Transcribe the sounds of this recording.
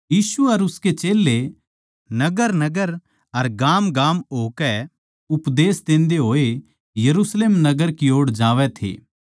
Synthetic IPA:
jiːsuɐɾʊsket͡ʃeːlːe | nɐɡəɾnɐɡəɾ | ɐɾɡaːmɡaːmoːkɛ | ʊpd̪eːsd̪ẽːnd̪eɦoːe | jɐɾusleːmnɐɡəɾkioːɽd͡ʒaːʋɛt̪ʰḛː

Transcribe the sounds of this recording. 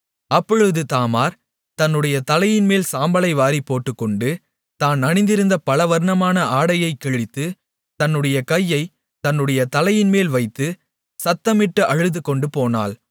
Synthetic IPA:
ɐpːɔɻɯðɯt̪aːmaːɾ | t̪ɐnːɯɽɐjɐt̪ɐlɐjɪnmeːlsaːmbɐlɐɪʋaːɾipːoːʈːɯkːɔɳɖɯ | t̪aːnɐnɪnd̪ɪɾɯnd̪ɐpɐlɐʋɐɾɳɐmaːnɐʔaːɽɐjɐɪkːɛɻɪt̪ːɯ | t̪ɐnːɯɽɐjɐkɐjːɐɪ | t̪ɐnːɯɽɐjɐt̪ɐlɐjɪnmeːlʋɐɪt̪ːɯ | sɐt̪ːɐmɪʈːɯʔɐɻɯðɯkːɔɳɖɯpoːna̰ːl

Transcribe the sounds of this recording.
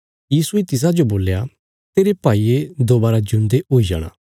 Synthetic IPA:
jiːsuet̪ɪs̬ad͡ʒoboːlja | t̪eːɾepaːied̪oːbaːɾad͡ʒʊ̃nd̪eoid͡ʒa̰ːɽ̃ã̰ː

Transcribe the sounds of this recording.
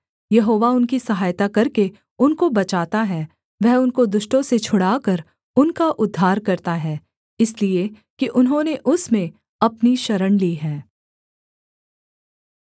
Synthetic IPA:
jɐɦoːʋaʊnkisɐɦaːjt̪akɐɾke | ʊnkobɐt͡ʃaːt̪aɦɛː | ʋɛɦʊnkod̪ʊʃʈõset͡ʃʰʊɽaːkɐɾ | ʊnkaʔʊd̪ʱːaːɾkɐɾt̪aɦɛː | ɪslie | kiʔʊnɦõneʔʊsmẽ | ɐpniʃɐɾəɽliːɦɛ̃ː

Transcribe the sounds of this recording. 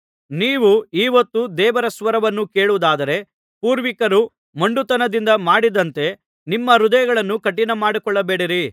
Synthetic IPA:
niːʋuiːʋɐt̪ːud̪ɛːʋɐɾɐsʋɐɾɐʋɐnːukeːɭuʋud̪aːd̪ɐɾe̞ | puːɾʋikɐɾu | mɐɳɖut̪ɐnɐd̪ind̪ɐmaːɽid̪ɐnt̪e̞ | nimːɐɾud̪ɐjɐɡɐɭɐnːukɐʈːinɐmaːɽikɔɭːɐbeːɽiɾi

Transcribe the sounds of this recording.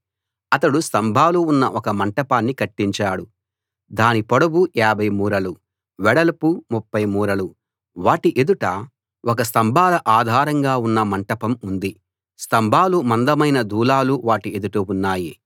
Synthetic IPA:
ɐt̪ɐɽust̪ɐmbʱaːluːnːɐʔɔkɐmɐɳʈɐpaːnːikɐʈːiɲt͡ʃaːɽu | d̪aːnipɔɽɐbuaːbʱɐjmuːɾɐlu | ʋɛɽɐlɐpumupːɐjmuːɾɐlu | ʋaːʈiʔed̪uʈɐ | ʔɔkɐs̬t̪ɐmbʱaːlɐʔaːd̪ʱaːɾɐŋɡaːunːɐmɐɳʈɐpɐmund̪i | st̪ɐmbʱaːlumɐnd̪ɐmɐjnɐd̪uːlaːluʋaːʈied̪uʈɐunːaːji

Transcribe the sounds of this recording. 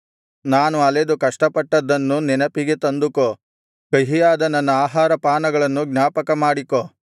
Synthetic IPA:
naːnuɐled̪ukɐʂʈɐpɐʈːɐd̪ːɐnːunɛnɐpiɡet̪ɐnd̪uko | kɐɦijaːd̪ɐnɐnːɐaːɦaːɾɐpaːnɐɡɐɭɐnːuɡnaːpɐkɐmaːɽiko

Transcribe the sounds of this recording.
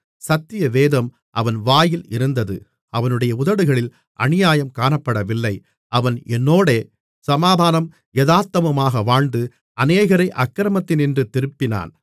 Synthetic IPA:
sɐt̪ːɪjɐʋeːðɐm | ʔɐ̰ʋɐnʋaːjɪlɪɾɯnd̪ɐðɯ̰ | ɐʋɐnɯɽɐjɐʊðɐɽɯɣɐɭɪl | ʔɐ̰nɪjaːjɐmkaːnɐpːɐɽɐʋɪlːɐɪ | ʔɐʋɐnɛnːoːɽeː | sɐmaːd̪ʱaːnɐm | jɛðaːt̪ːɐmɐmaːɣɐʋaːɳd̪ɯ | ʔɐneːɣɐɾɐɪʔɐkːɪɾɐmɐt̪ːɪnɪndrɯt̪ɪɾɯpːɪna̰ːn

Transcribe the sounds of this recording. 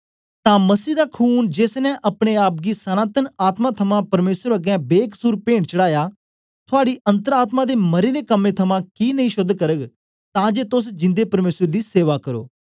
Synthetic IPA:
t̪ãːmɐsiːd̪aːkʰuːnd͡ʒeːsnɛʔɐpɽ̃eaːp̚ɡisənãːt̪ənaːt̪mãːt̪ʰɐmãːpɐɾmeːsəɾəɡɛ̃beːkə̥suːɾpẽːɳɖt͡ʃəɽaːjaː | t̪ʰʊaːɽiːʔə̃nt̪əɾaːt̪mãːd̪eːməɾed̪eːkəmːẽːt̪ʰɐmãːkiːnəɦĩʃʊd̪ʱːkəɾəɡ | t̪ãːd͡ʒeːt̪ʊs̬d͡ʒɪ̃nd̪eːpɐɾmeːsəɾd̪iːseːʋaːkəɾo̰ː

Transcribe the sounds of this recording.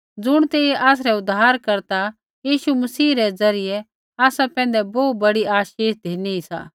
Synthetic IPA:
d͡zʊɽ̃t̪eːʔaːs̬ɾɛʊd̪aːɾkɐɾt̪a | jiːʃumɐsiːɾɛd͡zɐɾɪjɛ | aːsapɛ̃ːn̆d̪ɛbɔːt̪̚bɐɽiʔaːʃeːʃd̪ʱeːniisa̰ː

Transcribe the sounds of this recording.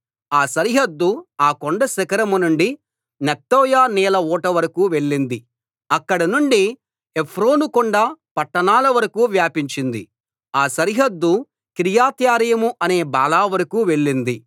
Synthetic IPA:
aːsɐɾiɦɐd̪ːuaːkoɳɖɐsɐkɐɾɐmunuɳɖi | nɐt̪ːɔːjaːnɛːlɐɔːʈɐʋɐɾɐkuːʋe̞ɭːind̪i | ɐkːɐɽɐnuɳɖi | epʰɾoːnukɔɳɖapɐʈːɐnaːlɐʋɐɾɐkuːʋjaːpiɲt͡ʃind̪i | aːsɐɾiɦɐd̪ːu | kɾijaːt̪jaːɾijɐmuʔɐne̞ːba̰ːlaːʋɐɾɐkuːʋe̞ɭːind̪i

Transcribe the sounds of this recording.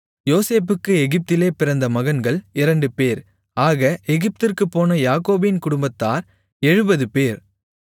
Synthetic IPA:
joːseːp̬ːɯkːɯɛɣɪp̚t̪ɪleːpɪɾɐnd̪ɐmɐɣɐnɡɐɭɪɾɐɳɖɯpeːɾ | aːɣɐʔɛɣɪp̚t̪ɪrkɯpːoːnɐjaːkoːbɪnkʊɽʊmbɐt̪ːaːɾ | ɛɻɯbɐðɯpeːɾ

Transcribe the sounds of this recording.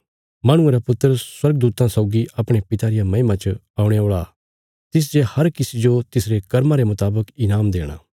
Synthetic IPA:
mɐɽ̃ʊ̃eɾapʊt̪ːɾəswɐɾɡəd̪uːt̪ãsɐʊɡiʔɐpɽ̃epɪt̪aːɾɪjamɐɪmãt͡ʃ | aːũɽ̃eoːɭa̰ | t̪ɪs̬d͡ʒehɐɾkɪsid͡ʒot̪ɪsɾekɐɾmãɾemʊt̪aːbəkɪnaːmd̪eːɽ̃a̰ː

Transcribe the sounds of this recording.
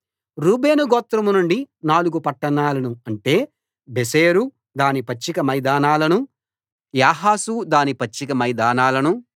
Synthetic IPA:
ɾuːbe̞ːnuɡɔːt̪ɾɐmunuɳɖinaːluɡupɐʈːɐɳaːlɐnuɐɳʈe̞ː | beseːɾu | d̪aːnipɐt͡ʃːikɐmɐjd̪aːnaːlɐnu | jaːɦaːsud̪aːnipɐt͡ʃːikɐmɐjd̪aːnaːlɐnu

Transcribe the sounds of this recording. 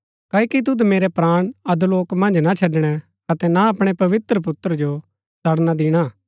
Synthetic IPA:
kɐːikit̪̬ʊd̪meːɾɛpɾaːɽ̃ɐd̪loːkmɐ̃nd͡ʒnat͡ʃʰɐɖɽ̃ɛ | ɐt̪ɛnaɐpɽ̃epɐʋɪt̪ɾəp̬ʊt̪ːɾd͡ʒo | sɐɽnad̪ɪɽ̃a

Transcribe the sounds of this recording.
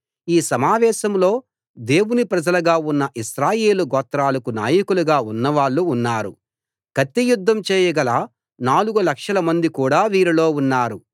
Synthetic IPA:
iːsɐmaːʋɛːʃɐmlo̞ː | d̪e̞ːwunipɾɐd͡ʒɐlɐɡaːunːɐʔiʃɾaːje̞ːluɡɔːt̪ɾaːlɐkuna̰ːjɐkuluɡaːunːɐʋaːɭːuːnːaːɾu | kɐt̪ːijud̪ʱːɐmt͡ʃɛːjɐɡɐlaː | naːluɡulɐkʂɐlɐmɐnd̪ikuːɽaːʋiːɾilo̞ːunːaːɾu

